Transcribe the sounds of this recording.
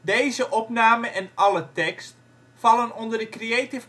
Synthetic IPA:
deːzəʔɔpnaːməʔɛnʔɑlətɛkst | fɑlˠənɔndərdəkreetɪf

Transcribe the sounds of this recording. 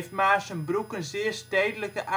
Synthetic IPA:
ft̚maːsənbrukənzɪːərsteːdələkəʔa

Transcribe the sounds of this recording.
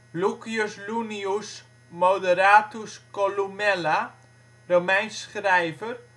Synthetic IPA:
lukioslunius | mowdəɾaːtuskolumɛla | romɛjnsχrɛjvər

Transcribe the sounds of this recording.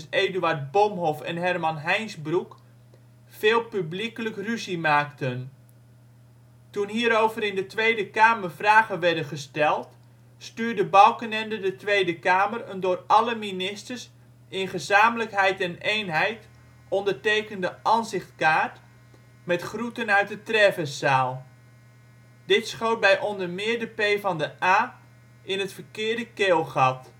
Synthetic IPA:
seːdyaɹt̚bomɦɔfɛ̰nɦɛrmɑnɦɛjnzbruk | feːlˠpyblikələkryzimaːktən | tunɦiːɾowvəɾɪndətʋejdəkaːmərfraːɣəʋɛɹdəχəstɛlˠt | styːrdəbɑwkənɛndədətʋejdəkaːmərəndʊːrɑləminɪstəɹs | ɪnχəzaːmələkɦɛjtɛnejnɦɛjt | ɔndəɹtejkəndəʔɑnzɪχtkaːt | mɛtχrutənœɥt̚dətrɛvəsaːlˠ | d̥ɪtsχow̚bɛjʔɔndəɹmɪːɹdəpejvɑndəʔaː | ɪnɦətfərkɪːɹdəkɪːlˠχɑt

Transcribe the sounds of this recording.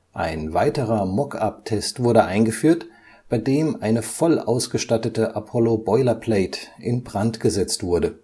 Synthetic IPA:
ʔaɪnvaɪtəʁɐmɔkʰa̰p̚tʰɛstv̥ʊɐɾəʔaɪnɡəfyːɐt | b̥aɪdeːmʔaɪnəfɔlʔa̰ʊsɡ̥əʃtatətəʔapʰɔlobɔʏlɐpʰl̥ɛɪtʔɪnbʁantɡ̥əzɛt͡stv̥ʊɐdə

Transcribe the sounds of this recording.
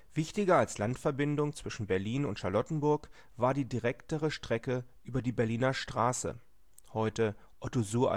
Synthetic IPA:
v̥ɪçtɪɡɐalslantfɛɐbɪndʊŋt͡sv̥ɪʃn̩bɛɐliːnʊntʃaɐlɔtn̩bʊɐk | v̥aːɐdiːdiʁɛktəʁəʃtʁ̥ɛkəʔʔyːbɐdiːbɛɐliːnɐʃtʁ̥aːsə̰ | hɔʏtə | ʔɔtozuːɐ̰

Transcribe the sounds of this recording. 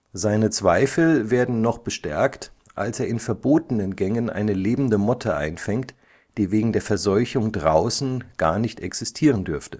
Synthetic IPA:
zaɪnət͡sv̥aɪfl̩veːɐdn̩nɔχb̥əʃtɛ̰ɐkt | ʔa̰lseːɐɪnfɛɐboːtənənɡɛŋənʔa̰ɪnəleːbm̩dəmɔtʰəʔa̰ɪnfɛŋkt | d̥iːveːɡŋ̩deːɐfɛɐzɔʏçʊŋdʁaʊsn̩ɡ̥a̰ːɐnɪçtʔɛksɪstʰiːʁəndʏɐftə̥

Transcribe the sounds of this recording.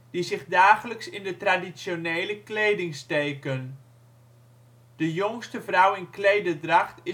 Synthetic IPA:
d̥izɪχdaːχələksɪndətradisjonejləklejdɪŋstejkən | d̥əjoŋstəvrawɪnklejdədraχtɪ

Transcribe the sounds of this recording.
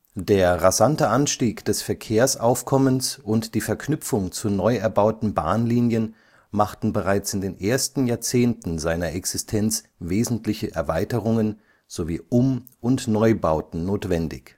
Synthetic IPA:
d̥eːɐʁazantəʔanʃtiːkd̥ɛsfɛɐkʰeːɐsʔaʊfkʰɔmənsʔʊntd̥iːfɛɐkʰnʏfʊŋt͡sunɔʏɛɐbaʊtn̩ba̰ːnliːnjən | maχtn̩bəʁaɪt͡sɪndeːnʔeːɐstn̩jaːɐt͡seːntn̩zaɪnɐʔɛksɪstʰɛnt͡s | veːzn̩tlɪçəʔɛ̰ɐvaɪtəʁʊŋən | z̥oviːʔʊmʔʊntnɔʏbaʊtn̩noːtv̥ɛndɪ̰ç

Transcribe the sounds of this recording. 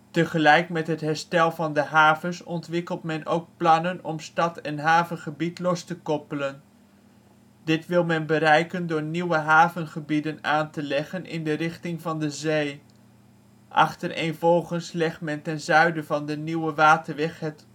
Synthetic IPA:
təχəlɛjkmɛtɦətɦɛɹstɛlˠvɑndəɦaːvəsɔntʋɪkəlˠtmɛnʔowk̚plɑnənɔmstɑtɛnɦaːvənχəbitlɔstəkɔpələn | dɪtʋɪlˠmɛnbəɾɛjkəndʊːɹniwəɦaːvənχəbidənaːntəlɛχənʔɪ̰ndərɪχtɪŋvɑndəzej | ʔɑ̰χtərʔḛːnvɔlˠχənslɛχtmɛntɛnzœɥdəvɑndəniwəʋaːtəɹʋɛχɦɛt

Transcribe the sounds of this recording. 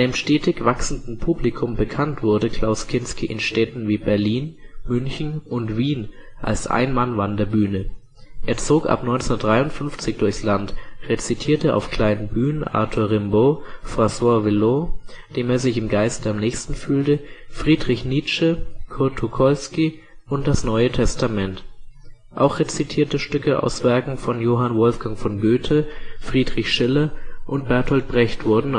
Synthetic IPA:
əmʃtɛːtʰɪkv̥aksn̩dn̩pʰuːblikʰʊmbəkʰantv̥ʊɐdəkʰl̥aʊskʰɪnskiʔɪ̰nʃtɛtn̩viːbɛɐliːnmʏnçn̩ʔʊntv̥iːnʔa̰lsʔa̰ɪnmanvandɐɐbyːnə | ʔeːɐt͡soːkʔa̰pnɔʏnt͡ssndɐd̥ʁaɪʊntfʏnft͡sɪçd̥ʊɐçslantʁet͡sitʰiːɐtəʔa̰ʊfkl̥aɪnənbyːnənʔa̰ɐtʰuɐʁɪmbofʁ̥aswavɪlod̥eːmeːɐzɪçɪmɡaɪstəamnɛːçstn̩fyːltəfʁ̥iːdʁɪçniːt͡ʃəkʰʊɐtʰukʰɔlski | ʔʊnt̚d̥asnɔʏətʰɛstamɛnt | ʔa̰ʊxʁ̥et͡sitʰiːɐtəʃtʏkəa̰ʊsv̥ɛɐkŋ̩fɔnjoːɦanvɔlfɡ̥aŋfɔnɡøːtʰəfʁ̥iːdʁɪçʃɪlɐʔʊnt̚b̥ɛɐthɔlt̚b̥ʁɛçtv̥ʊɐdn̩

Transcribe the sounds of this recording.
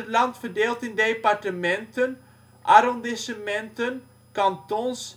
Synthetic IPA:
ətlɑntfərdeːlˠtɪndepɑrtəmɛntən | ʔaɾɔndɪsəmɛntən | kɑntɔns

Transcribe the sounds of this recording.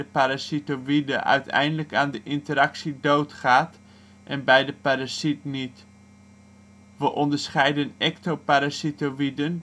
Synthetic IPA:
əpaɾasitowidəʔœ̰ɥtɛ̰jndələkaːndəʔɪntəɾɑksidowtχaːt | ʔɛnbɛjdəpaɾasitnit | ʋəʔɔndəɹsχɛjdənɛk̚topaɾasitoʋidən

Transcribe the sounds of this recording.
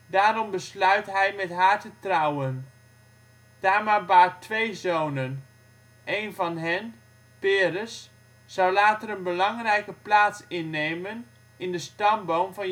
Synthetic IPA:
daːɾɔmbəslœɥtɦɛjmɛtɦaːɹtətrɔwən | d̥aːmabaːtʋejzownən | ʔejnvɑnɦɛn | pɪːrəs | z̥ʌwlaːtərənbəlɑŋrɛjkəplaːtsɪnːejmən | ɪndəstɑmbowmvɑn

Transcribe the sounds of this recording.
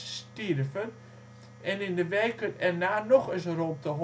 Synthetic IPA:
stirvən | ɛnɪndəʋɛːkʰəntɛrnaːnɔxəsrop̚təɦ

